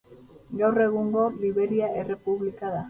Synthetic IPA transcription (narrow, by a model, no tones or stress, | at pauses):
ɡawre̞ɣ̞uŋɡo̞liβe̞ɾiae̞re̞puβlikaða